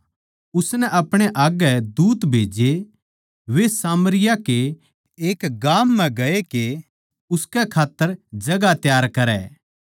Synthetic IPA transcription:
ʊsnɛʔɐpɽ̃eʔaːɡɛd̪uːt̪bʱeːd͡ʒe | ʋesaːmɾɪjake | eːkɡaːmːɛ̃ɡɐeke | ʊskɛkʰaːt̪ːəɾd͡ʒɐɡat̪jaːɾkɐɾɛ̰ː

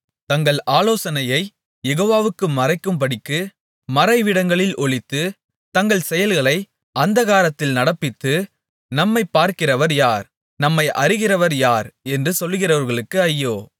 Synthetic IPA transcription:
t̪ɐŋɡɐɭʔaːloːsɐnɐjɐɪ | jɛɣoːʋaːʋɯkːɯmɐrɐɪkːɯmpɐɽɪkːɯ | mɐrɐɪʋɪɽɐŋɡɐɭɪlʔɔɭɪt̪ːɯ | t̪ɐŋɡɐɭsɛjɐlɣɐɭɐɪ | ʔɐnd̪ɐɣaːɾɐt̪ːɪlnɐɽɐpːɪt̪ːɯ | nɐmːɐɪpːaːɾkɪrɐʋɐɾjaːɾ | nɐmːɐɪʔɐrɪɣɪrɐʋɐɾjaːɾɛndrɯsɔlːɣɪrɐʋɐɾɣɐɭɯkːɯɐjːoː

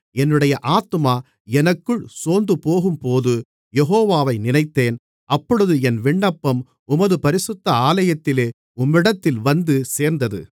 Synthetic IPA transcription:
ɛnːɯɽɐjɐʔaːt̪ːɯmaː | ɛnɐkːɯɭsoːnd̪ɯpoːɣɯmpoːðɯ | jɛɦoːʋaːʋɐɪnɪnɐɪt̪ːeːn | ʔɐpːɔɽɯðɯɛnʋɪɳːɐpːɐm | ʊmɐðɯpɐɾɪsɯt̪ːɐaːlɐjɐt̪ːɪleː | ʊmːɪɽɐt̪ːɪlʋɐnd̪ɯseːɾnd̪ɐðɯ̰

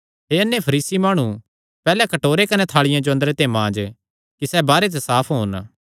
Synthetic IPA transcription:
ɦeːɐnːepʰɐɾiːsimaːɽ̃u | pɛːlɛkɐʈoːɾekɐnɛt̪ʰaːɭɪjãd͡ʒoɐnd̪əɾet̪eːmãːd͡ʒ | kisɛbaːɾet̪̬ɛsaːpʰɦoːn

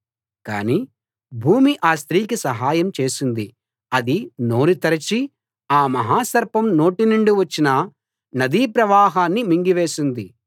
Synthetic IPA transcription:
ka̰ːniː | bʱuːmiʔaːst̪ɾiːkisɐɦaːjɐmt͡ʃe̞ːsund̪i | ɐd̪ino̞ːɾit̪ɐɾɐt͡ʃi | aːmɐɦaːsɐɾpɐmno̞ːʈinɐɳɖuʋɐt͡ʃːinɐ | nɐd̪iːpɾɐʋaːɦaːnːimiŋɡiʋe̞ːsund̪i

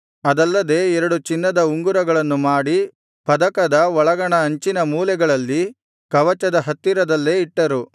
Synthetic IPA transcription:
ɐd̪ɐlːɐd̪e̞ːɛɾɐɽut͡ʃinːɐd̪ɐuŋɡuɾɐɡɐɭɐnːumaːɽi | pɐd̪ɐkɐd̪ɐɔɭɐɡɐɳɐːɲt͡ʃinɐmuːlɛɡɐɭɐlːi | kɐʋɐt͡ʃɐd̪ɐɦɐt̪ːiɾɐd̪ɐlːe̞ːiʈːɐɾu

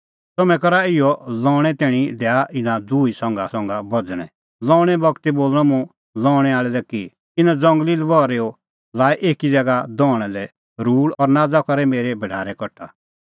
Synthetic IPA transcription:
t̪ɔmɛ̃kɔɾaɪjɔlɔ̃ːɽ̃ɛt̪ɛːɽ̃id̪ɛaʔɪnãd̪uːisɔ̃ŋɡasɔ̃ŋɡabɔd͡zɽ̃ɛ̰̃ | lɔ̃ːɽ̃ɛbɔkt̪iboːlɽ̃ɔ̃mũ | lɔːɽ̃ɛaːɭɛlɛki | ɪnãd͡zɔ̃ŋɡlilɛbɔːɾeɔ | laːiʔeːkid͡zɛɡad̪ɔːɽ̃ɛ̃lɛ | ɾuːɽɔɾnaːd͡zakɔɾɛmeːɾɛbɛɖaːɾɛkɔʈʰa̰

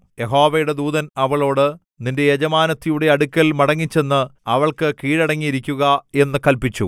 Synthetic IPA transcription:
je̞ɦo̞ːʋɐjuɽe̞d̪uːðɐnɐʋɐɭo̞ːɽɨ | ninde̞jed͡ʑɐmaːnɐt̪ːijuɽe̞ɐɽukʲːɐlmɐɽɐŋːit͡ɕːe̞nːɨɐʋɐɭkɨkiːɻɐɽɐŋːijiɾikʲːuɣɐe̞nːɨkɐlpit͡ɕːṵ

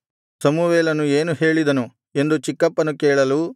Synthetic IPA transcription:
sɐmuʋɛːlɐnueːnuɦe̞ːɭid̪ɐnu | e̞nd̪ut͡ʃikːɐpːɐnukeːɭɐlu

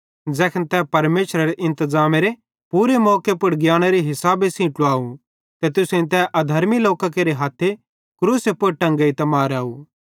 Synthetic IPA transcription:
d͡zɛːkʰənt̪ɛpɐɾmeːʃɾaɾeʔɪ̃nt̪əzaːmeɾe | puːɾemɔːkepʊɽɡjaːɽ̃aɾiɦɪsaːbesĩːʈuaːũ | t̪et̪ʊsẽĩt̪̬ɛʔɐd̪ʱɐɾmiloːkak̬eɾeɦaːt̪ʰːe | kɾuːsepʊɽʈɐ̃ŋɡɐit̪ɐmaːɾaːu

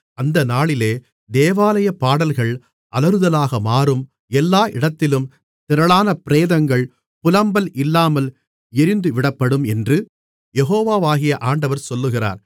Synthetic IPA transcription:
ɐnd̪ɐnaːɭɪleː | d̪eːʋaːlɐjɐpaːɽɐlɣɐɭ | ʔɐlɐɾɯðɐlaːɣɐmaːrɯm | ɛlːaːʔɪɽɐt̪ːɪlɯm | t̪ɪɾɐɭaːnɐpɪɾeːðɐŋɡɐɭ | pʊlɐmbɐlɪlːaːmɐl | ɪɾɪnd̪ɯʋɪɽɐpːɐɽɯmɛndrɯ | jɛɣoːʋaːʋaːɣɪjɐʔaːɳɖɐʋɐɾsɔlːɯɣɪra̰ːɾ

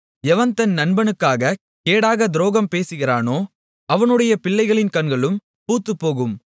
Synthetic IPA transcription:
ɛʋɐnt̪ɐnnɐnbɐnɯkːaːɣɐ | keːɽaːɣɐd̪ɪɾoːɣɐmpeːsɯɣɪɾaːnoː | ɐʋɐnɯɽɐjɐpɪɭːɐɪɣɐɭɪnkɐɳɡɐɭɯm | puːt̪ːɯpːoːɣɯm

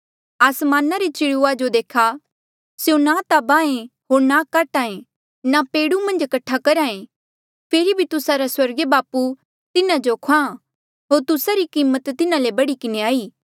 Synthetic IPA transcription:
aːsmaːnaɾet͡ʃɪɽuad͡ʒod̪eːkʰa | sjõnat̪abãːẽɦoːɾnakaːʈaːẽ | napeːɽumɐ̃nd͡ʒkɐʈʰːakɐɾaːẽ | pʰeːɾibʱit̪ʊsaɾaswɐɾɡebaːpu | t̪ɪnãd͡ʒokʰã | ɦoːɾt̪ʊsaɾikiːmət̪t̪ːɪnãlebɐɽikɪneaːiː

